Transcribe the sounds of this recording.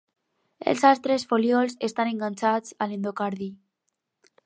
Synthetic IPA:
ḛlsalst̪ɾesfoljɔlsest̪aneŋɡanʲt͡ʃat͡salend̪okaɾði

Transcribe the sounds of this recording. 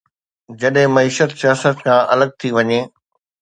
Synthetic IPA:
d͡ʑɐɗɦɪ̃mɐiːʃət̪sijaːsət̪kʰãʔɐləɡ̚t̪ʰiʋɐɲeː

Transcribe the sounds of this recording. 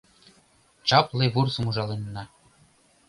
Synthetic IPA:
t͡ɕɑplˠeβursumuʒɑlˠenːɑ

